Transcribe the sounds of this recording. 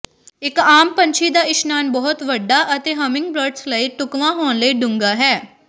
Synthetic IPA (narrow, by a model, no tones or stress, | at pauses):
ɪkaːmpə̃nt͡ʃʰiːd̪aːɪʃnaːnbɔːʊt̪ʋəɖːaːʔət̪eːɦəmɪ̃ŋɡ̚bɾəɖsləiːʈʊkʋãːɦoːnləiːɖʊŋɡaːɦɛː